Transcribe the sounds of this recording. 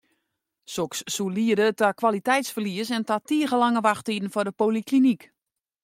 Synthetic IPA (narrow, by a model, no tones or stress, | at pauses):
soksːuliədətakwalitɛjtsfərliəsɛntatiəɣəlaŋəʋaxtidn̩fɔdəpoːliklinik